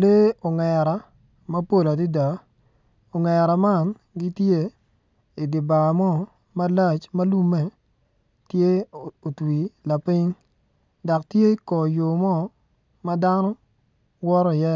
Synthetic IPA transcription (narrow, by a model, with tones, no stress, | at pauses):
le˦o˨ŋɛ˨ɾa˨ | mɐ˦po˦˨la˨di˦da˨ | o˨ŋɛ˨ɾa˨ma˦n | ɡi˦tje˦ | i˨dɪ˨ba˨mɔ˦ | ma˦la˦˨t͡ʃmɐ˦lu˦me˦ | tje˦o˨twi˨la˨pi˦ŋ | da˨k̚tje˦i˦kɔ˨jo˨mɔ˦ | ma˦da˦nɔ˦ | wɔ˦ɾɔ˦i˨jɛ˦